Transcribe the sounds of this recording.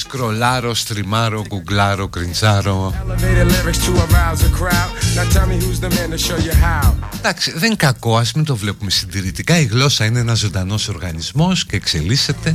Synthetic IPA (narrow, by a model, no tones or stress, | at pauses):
skɾo̞lɐɾo̞st̪ɾimɐɾo̞ɡuɡlɐɾo̞kɾinzɐɾo̞ɛlˠəveɪɾɨlɛvəstʰuɔvmaɪlˠzəkʰɹ̥aʊdnətʰɛlˠmihuzðəmɛ̃ntʰɨʃoʊjəɦaʊd̪ɐksiðe̞ŋkɐko̞ɐsmit̪o̞vle̞pume̞sind̪iɾit̪ikɐiɣlo̞sɐineenɐzo̞nd̪ɐno̞so̞ɾɣɐnizmo̞sce̞ːkse̞lise̞t̪e̞